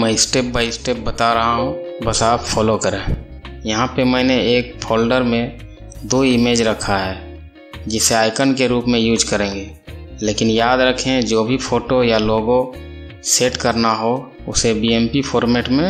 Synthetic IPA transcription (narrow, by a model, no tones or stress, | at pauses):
mɛisʈeːp̚baːɪisʈeːp̚bət̪aɾɐɦaɦɦũbəsaːpfɔːlokəɾẽː | jɐɦãpemɛ̃ːneeːk̚pʰoːlɖəɾmẽ | d̪oːɪmeːd͡ʒɾɐkʰaɦɛː | d͡ʒɪseaːɪkənkeɾuːpmẽjuːd͡ʒkəɾẽːŋɡeːleːkɪnjaːd̪ɾəkʰẽd͡ʒoːbʱipʰoːʈojaloːɡõseːʈkəɾnaɦo | ʊsebiɛmpipʰɔːɾmeːʈmẽ